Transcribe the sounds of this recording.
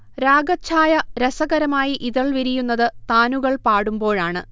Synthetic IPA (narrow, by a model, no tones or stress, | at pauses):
ɾaːɡɐt͡ɕʰaːjɐɾesɐɣɐɾɐmaːjiʔiðɐɭʋiɾijunːɐðɨt̪aːnuɣɐɭpaːɽumbo̞ːɻaːɳɨ̰